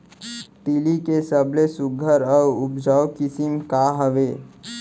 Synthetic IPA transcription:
t̪ilikesəblesʊɡʱəɾəʊpd͡ʒaːwkɪsimkaɦəʋeː

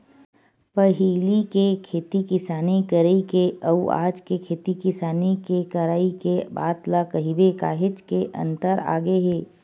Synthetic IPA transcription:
pəɦiːlikekʰeːt̪ikɪsaːnekəɾeikeɐua̰ːd͡ʒkekʰeːt̪ikɪsaːnekekɐɾaːikeba̰ːt̪lakɐɦibeka̰ːɦɪt͡ʃkeʔɐ̰̃nt̪əɾa̰ːɡeɦeː

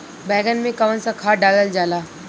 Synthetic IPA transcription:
bɛːɡənmẽkɐʋənsakʰaːɖaːləld͡ʒaːlaː

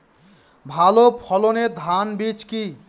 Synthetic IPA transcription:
bʱalopʰɔloned̪ʱanbit͡ʃki

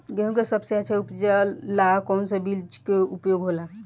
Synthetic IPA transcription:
ɡeɦũkesəbseat͡ʃʰɛupd͡ʒəlːakɔwnsəbild͡ʒkeupjoɡɦola

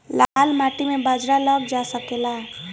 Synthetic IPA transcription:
lalmaʈimebəd͡ʒɾaləɡ̚d͡ʒasəkela

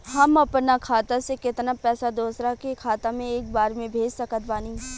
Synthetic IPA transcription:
ɦɐmɐpnakʰaːt̪asekɪt̪napɛːsad̪oːsɾakekʰaːt̪amẽeːk̚baːɾmẽbʱeːd͡ʒsɐkət̪̚baːniː

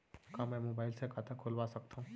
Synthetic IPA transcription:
kãmɛ̃ːmobaːɪlsekʰat̪akʰolʋasək̚t̪ʰaɦũ

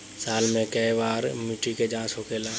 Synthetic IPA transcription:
saːlmẽkəiʋaːɾmɪʈiked͡ʒãːsɦokeːlaː

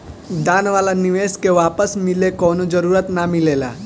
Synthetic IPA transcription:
d̪aːnʋaːlanɪʋeːskeʋaːpəsmɪlekɔːnod͡ʒɐɾuːɾət̪namɪleːla̰ː

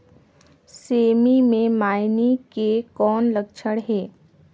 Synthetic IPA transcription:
seːmimẽmaːɪnikekɔːnləkt͡ʃʰəɽɦɛː

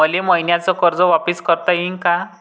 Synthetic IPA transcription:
əleməjnjat͡sɔkəɾd͡zɔʋapiskəɾt̪aɦiŋka

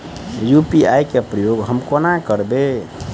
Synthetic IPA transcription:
jupiajkepɾəjoɡɦəmkonakəɾbe

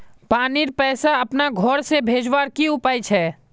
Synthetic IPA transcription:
paːniɾpɛːsaɐpnaɡʱɔɾsebʱeːd͡ʒwaːɾkiʊpaːjt͡ʃʰɛː

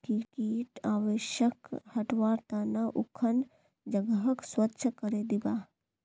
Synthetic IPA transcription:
kikiːʈaːʋeʃəkhɐʈʋaːɾt̪aːnaʔʊkʰən | d͡ʒɐɡəɦəkswɐtːʃʰəkɐɾed̪ibaː

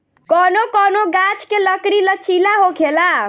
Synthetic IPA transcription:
kɔnokɔnoɡat͡ʃkeləkɽilət͡ʃʰilaɦokʰela

